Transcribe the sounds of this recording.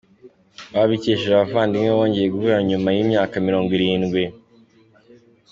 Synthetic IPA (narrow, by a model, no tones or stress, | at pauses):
βaβiceʃeʒaβafaːndiŋeβoːɲɟe̞jeɡuvuɾaɲumajiːmɲaːkamiɾo̞ːŋɡwiɾiːnɡwi